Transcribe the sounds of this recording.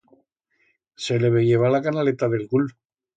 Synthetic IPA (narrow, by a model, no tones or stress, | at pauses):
seleβeʝeβ̞alakanalet̪aðe̞lɣul